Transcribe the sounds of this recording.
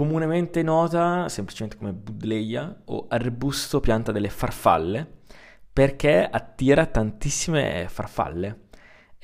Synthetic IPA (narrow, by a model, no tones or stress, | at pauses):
komunement̪enɔːt̪asempli̥t͡ʃement̪ekomebud̪lejːao̰arbust̪opjant̪ad̪elːefarfa̰lːe | perk̟eat̪ːiːɾat̪ant̪isːimḛfa̰rfa̰lːe